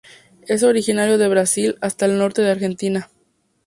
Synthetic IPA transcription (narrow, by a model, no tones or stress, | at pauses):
e̞s̬o̞ɾixinaɾjo̞ðe̞βɾasilast̪aelno̞ɾt̪e̞ðeaɾxe̞nt̪ina